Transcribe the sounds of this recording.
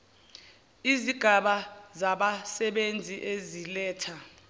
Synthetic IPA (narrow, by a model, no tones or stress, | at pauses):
iziɡ̥ʱaɓazaɓasɛɓend͡zʱiʔezilɛːtʰa